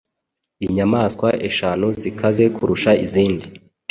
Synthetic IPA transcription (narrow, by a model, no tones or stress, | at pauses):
iɲamaːskwaʔeʃaːnuzikʰaze̞kuɾuʃaiziːndi